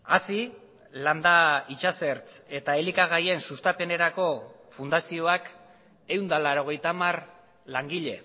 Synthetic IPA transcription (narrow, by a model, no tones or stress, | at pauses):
a̰si | land̪ait͡ʃase̞ɾt͡se̞t̪ae̞likaɣ̞aje̞nsust̪ape̞ne̞ɾako̞fund̪asio̞ak | e̞wnd̪alaɾo̞ɣ̞e̞jt̪amar | laŋɡiʎe̞̰